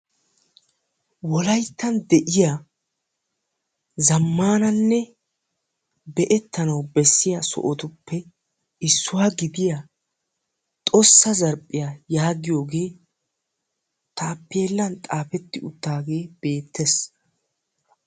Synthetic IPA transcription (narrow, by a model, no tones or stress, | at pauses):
wɔlɐjt̪ːɐnd̪ɛʔɪja | zɐmːaːnɐnːɛ | bɛʔɛt̪ːɐnɐwbɛsːɪjasɔ̰ʔɔt̪ʊpːɛ | ɪsːʊwaːɡɪd̪ɪja | t̪ʼɔsːɐzɐɾpʼːɪjajaːɡɪjo̞ːɡe̞ː | t̪ʰaːpːe̞ːlːɐnt̪ʼaːpɛt̪ːɪʊt̪ːaːɡe̞ːb̥e̞ːt̪ʰːes